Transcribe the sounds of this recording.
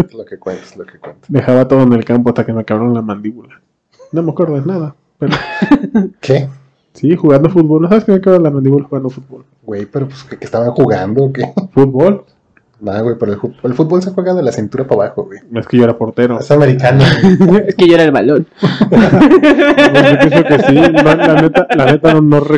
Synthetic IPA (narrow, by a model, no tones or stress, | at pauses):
lokekwent̪ḁslokekwent̪ḁd̪e̞xaβat̪o̞ðoene̞lkamp̬oast̪akemekaβɾaɾonlamãnd̪iβula | nomeakwe̞ɾðnaða | peɾo | kʰe | sixuɣand̪ofut̪̚βolnosaβeskemekaβɾalamand̪iβulaxuɣand̪ofut̪̚bol | ɡwejpeɾopu̥skekest̪aβaŋxuɣand̪okefut̪̚βo̞l | naðawejpeɾoelfut̪̚boelfut̪̚bols̬eaxweɣaoðelasint̪uɾapaβaxoɣwejeskeʝo̞eɾapo̞ɾt̪eɾosameɾikanaeskeʝoeɾaelβa̰lon | ojopennsokesinolanet̪alanet̪anonore